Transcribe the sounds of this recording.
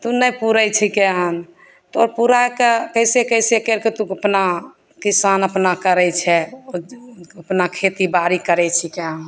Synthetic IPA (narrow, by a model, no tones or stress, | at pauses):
t̪unəjpuɾɛjt͡ʃʰikɛɦən | t̪oɾpuɾakekəjsekəjsekeɾket̪uəpna | kisanəpnakəɾɛt͡ʃʰɛoəpnakʰet̪ibaɾikəɾɛt͡ʃʰikɛɦən